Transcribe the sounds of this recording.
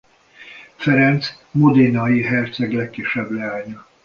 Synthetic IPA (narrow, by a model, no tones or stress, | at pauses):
fɛɾɛnt̪s | mod̪enɒjiɦɛrt̪sɛɡlɛkːiʃːɛblɛaːɲɒ